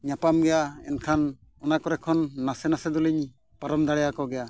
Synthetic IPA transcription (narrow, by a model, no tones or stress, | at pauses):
ɲapamɡɛjaɛ̰nkʰan | ɔnakɔɾɛkʰɔnːasɛnasɛd̪ɔliɲ | paɾɔmd̪aɽɛjakɔɡɛja